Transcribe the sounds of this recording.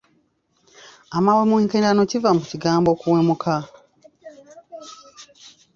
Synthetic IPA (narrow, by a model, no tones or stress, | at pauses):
amawemuiːŋkendanocivamuciɡaːmbo̞kuweːmukʰa